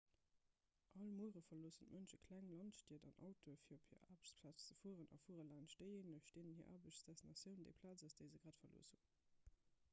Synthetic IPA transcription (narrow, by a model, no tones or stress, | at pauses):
ʔɑlmuəʁəfɐloəsəntmʔənʃəkʰlæŋlɑntʃtiɐdɑnʔɑ̰ʊtʰofiːphiɐʔa̰ːbʃpʰlaːt͡st͡səfuəʁənɑ̰fuəʁəlɑɪnʃdəɪenəʃd̥eːnənhiːɐʔa̰ːbəʃsd̥æsnɑsjəʊndəɪpʰlaːt͡səsd̥əɪzəɡʁaːtfɐlo̰ːəshun